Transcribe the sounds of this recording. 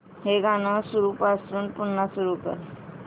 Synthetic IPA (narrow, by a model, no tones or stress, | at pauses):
heɡanəsuɾuːpasuːnpunːasuɾukə̰ɾ